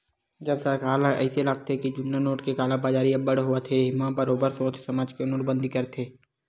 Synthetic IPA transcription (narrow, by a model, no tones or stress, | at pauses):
d͡ʒəlsakaːlaɛ̰ɪselaɡ̚t̪eɦɛkid͡ʒʊnːanoːʈkekaːlãbaːd͡ʒaːɾiabəɽɦʊət̪ʰeɦɪmãbəɾoːbəɾsõːt͡ʃʰsɐmaːd͡ʒkenoːʈbə̃nd̪ʱikəɾt̪ʰeː